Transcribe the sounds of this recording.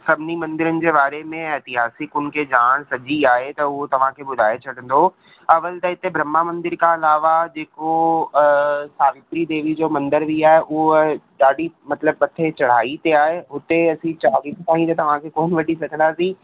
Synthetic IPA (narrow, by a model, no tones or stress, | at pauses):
sɐbʱɪnimɐ̃nd̪ɪɾənɪ̆d͡ʑeːbaːɾemẽɛːt̪ɪɦaːsɪkʊnɪ̆kʰeːd͡ʑaːɽ̃sɐd͡ʑiaːɦet̪ɐʊɦot̪ɐʋ̤ãkʰeːbʊd̪ʱaːet͡ɕʰɐɽə̃nd̪oː | ɐʋəlt̪ɐɪt̪ebʱɾɐmːamɐ̃nd̪ɪɾkaɐlaːʋad͡ʑeːko | saːʋɪt̪ɾid̪eːʋid͡ʑoːmɐ̃nd̪əɾbʱiaːɦeʔʊɦoɗaːɽimɐt̪ləb̚ːɐt̪ʰet͡ɕɐɽ̤aːit̪eaːɦeɦʊt̪eɐsĩt͡ɕaaːʋist̪aːɦĩt̪ɐt̪ɐʋ̤ãkʰekoːnʋɐʈisɐɡʱə̃nd̪aːsĩː